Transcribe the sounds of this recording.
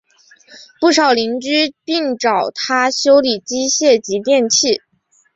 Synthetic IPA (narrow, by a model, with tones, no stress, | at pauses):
pu˥˩ʂɑ˨˩ʊli˧˥ŋt͡ɕy˥pi˥˩ŋʈ͡ʂɑ˨˩ʊt̪ʰa˥ɕjo˥ʊli˨˩t͡ɕi˥ɕjɛ˥˩t͡ɕi˧˥t̪jɛ˥˧nt͡ɕʰi˥˩